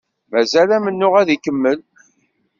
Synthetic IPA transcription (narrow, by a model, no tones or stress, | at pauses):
mæzælæmənːʊʁæðikəmːəl